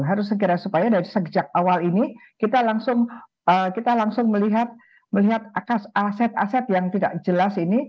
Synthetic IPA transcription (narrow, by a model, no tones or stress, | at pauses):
ɦaɾʊs̬ːəkiɾasupajadaɾisəɡd͡ʒak̚awalinikit̪alaŋsʊŋ | əkit̪alaŋsʊŋməliɦat̪̚ | məliɦat̪̚akasasɛt̪̚a̰sɛt̪̚jaŋt̪idaʔd͡ʒəlasini